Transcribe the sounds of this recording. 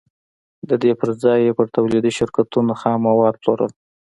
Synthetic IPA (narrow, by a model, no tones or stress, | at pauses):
d̪əd̪epəɾd͡zɑjːepəɾt̪awlid̪iʃɪɾkat̪unoxɑmawɑd̪̚ploɾə̰l